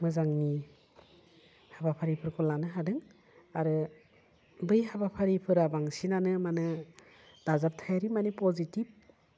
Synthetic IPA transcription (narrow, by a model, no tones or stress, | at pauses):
mɯzaŋni | habapʰaɾipʰɯɾkʰɔlanɯɦadɯŋ | aɾɯ | bɯjɦabapʰaɾipʰɯɾabaŋsinanɯmanɯ | d̥azap̚tʰajaɾimanipɔzitib̚